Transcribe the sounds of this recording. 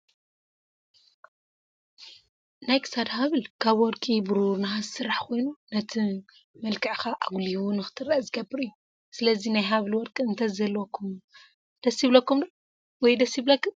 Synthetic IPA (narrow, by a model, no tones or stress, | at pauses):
najkʰɨ̥sad̪haβɨlkʰaβwɔɾkʼibɨɾuɾnaazsɨɾːaħkʰo̞jnunɐt̪ʰi | mɐlkʰʼɨʕxaʔaɡliwunɨxɨ̥t̪ʰɨɾːaʔzɨɡɐbːɨɾɨjːu | sɨlɐzinajɦaβlwɔɾkʼiɨnt̪ʰɐzɐlokʰːum | d̪̥ɐsiβlɐkːumd̪o | wɔjd̪ɐsiβlɐkːum